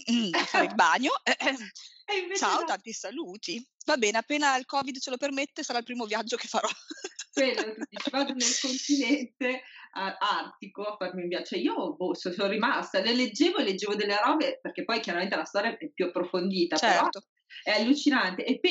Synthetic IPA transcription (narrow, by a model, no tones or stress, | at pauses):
afːaɾilbaːɲoɛ | ivet͡ʃaot̪ant̪isaluːt̪ivabɛːneapːeːnailkɔːvid̪t͡ʃelopermet̪ːesaɾailpɾiːmovjad͡ʒːokefːaɾɔkelːot̪ud̪iːt͡ʃivad̪onelkont̪inɛnt̪eaart̪ikoafarmimvjat͡ʃɛiːobososonɾimast̪aleled͡ʒːeːvoelːed͡ʒːeːvod̪elːeɾɔːveperkepːɔjkjaɾament̪elast̪ɔːɾjaʔɛpjuapːɾofond̪iːt̪at͡ʃeɛɾɔt̪o | ɛalːut͡ʃinant̪eʔepː